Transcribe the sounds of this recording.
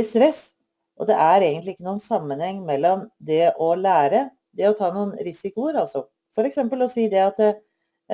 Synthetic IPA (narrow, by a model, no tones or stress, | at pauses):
ɪst̪ɾɛsː | ʔɔ̰d̪ɛʔæɾeːɡənt̪lɪɪkːənuːənsɑmːənhɛŋːmɛlːɔmd̪ɛʔɔlæːɾə | d̪ɛɔt̪ʰɑːnuːənɾɪsɪkʊəɾɑlsɔ | fɔɾɛksɛmpəlɔsiːd̪ɛɑt̪ː